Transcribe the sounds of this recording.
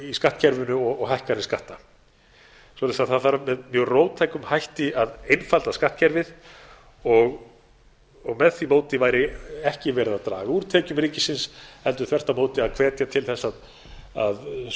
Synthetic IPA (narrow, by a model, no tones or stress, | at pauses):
iskaht̪cʰɛɾvʏnʏɔɣɔɣɦajhkaɾnɪnskaht̪a | sɔlasaðθaðθaɾamɛðmjœwroːwt̪ʰajkʏmhajht̪ɪaðejnfalt̪askaht̪cʰɛɾvɪð | ɔɣ | ɔɣmɛðθimoːwt̪ɪvaːjɾɪɛhcɪvɛːɾɪðat̪ɾa̰ːɣauːɾt̪ʰɛːcʏmɾiːcɪsɪnshɛlt̪ʏɾθvɛr̥t̪amoːwt̪ɪaðkʰv̥ɛːt̪jat̪ʰɪlθɛsːað | a̰ð